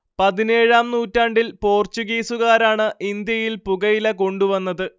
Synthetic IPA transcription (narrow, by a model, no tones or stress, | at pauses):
pɐðine̞ːɻaːmnuːtːaːɳɖilpo̞ːrt͡ɕuɣiːsuɣaːɾaːɳɨʔind̪jɐjilpuɣɐjilɐko̞ɳɖuʋɐnːɐðɨ